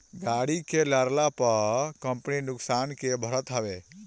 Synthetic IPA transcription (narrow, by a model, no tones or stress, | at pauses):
ɡaɽikelaɾlapəkə̃mpninʊksaːnkebʱəɾət̪ɦəbe